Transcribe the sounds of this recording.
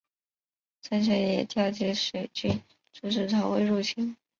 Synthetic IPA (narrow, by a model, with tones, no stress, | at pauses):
t͡sʰa˥nɕ̬ɛ˧˥jɛ˨˩t̪jɑ˥˩t͡ɕi˧˥ʂe˨˩ɪt͡ɕy˥˩n | ʈ͡ʂu˥ʂ̬ɻ̩˥˩t͡sʰɑ˧˥ʊwe˧˥ɪɻu˥˩t͡ɕʰi˥ŋ